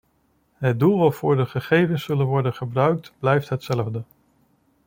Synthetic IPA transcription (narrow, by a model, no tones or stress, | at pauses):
ɦət̚dulˠʋɑtfʊːɹdəχəχejvənsɵlənʋɔɹdənχəbrœɥk̚tblɛjftɦətsɛləvdə